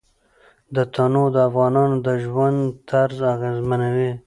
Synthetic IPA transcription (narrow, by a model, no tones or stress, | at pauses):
d̪ət̪ʰanod̪əafɣɑnɑnod̪əʒwand̪t̪aɾzaɣezmanawe